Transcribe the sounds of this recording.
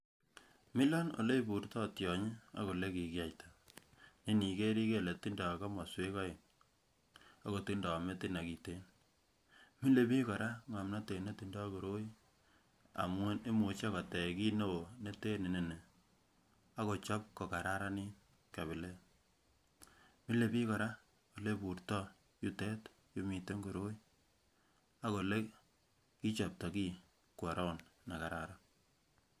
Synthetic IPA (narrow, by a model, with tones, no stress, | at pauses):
mɪ˦lɔ˦no̰˨le˦i˦bu˨ɾtɔ˦tjɔ˨ɲi˦a̰˦ko˨le˦ki˨kja˨jta˨ | ni˦ni˨ke˦ɾi˦ke˦le˨ti˦nda˨ka˦mɔ˨swe˦kɔ˦ɪ˨n | a˦ko˨ti˦nda˨me˦ti˦na˨ki˨te˦n | mi˦le˦mi˦kɔ˨ɾa˦ŋa˨mna˦te˨ne˦ti˨ndɔ˦ko˨ɾo˦i˦ | a̰˨mŋo˦ne˦mu˨t͡ʃa˦ka˨tɛ˨ki˦no˦wo˨ne˦te˦ni˨ni˨ne˨ | a˦ko˨t͡ʃɔ˦p̚kɔ˨ka˨ɾa˦ɾa˦ni˦ | ka˨βi˨le˦ | mi˦le˨pi˦kɔ˨ɾa˦ | ko˨le˦pu˨ɾtɔ˦ | ju˦tɛ˦t | ju˦mi˨te˦ŋɡo˨ɾo˦j | a˦ko˨le˦ | ki˦t͡ʃɔ˨p̚tɔ˨ki˦ | kwɔ˨ɾʔɔ˦nna˨ka˨ɾa˦ɾa˦